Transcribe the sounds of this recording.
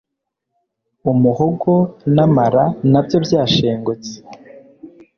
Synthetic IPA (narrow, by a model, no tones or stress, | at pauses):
umuhoɡo̞namaɾanabjo̞bjaːʃe̞ːŋɡot͡si̥